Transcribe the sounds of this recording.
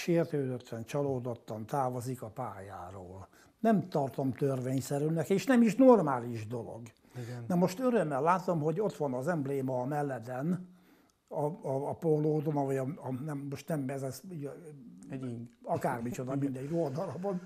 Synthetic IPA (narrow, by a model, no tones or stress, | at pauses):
ʃeːrt̪øːd̪øt̪ːɛnt͡ʃɒloːd̪ot̪ːɒnt̪aːvozikɒpaːjaːɾoːl | nɛmt̪ɒrt̪omt̪ørʋeːɲsɛɾylnɛkeːʃnɛmiʃnormaːliʒd̪o̞lo̰ɡ | nɛmo̞ʃt̪øɾømːɛlːaːt̪o̞mɦo̞ɟo̞t̪ʋɒnɒzɛmbleːmɒːmɛlːɛd̪ɛn | ɒːpoloːd̪onɒʋɔjɒɒnɛmːoʃt̪nɛmːɛzɛsi | ɒkaːrmit͡ʃod̪ɒmind̪ɛiold̪ɒlɒbɒn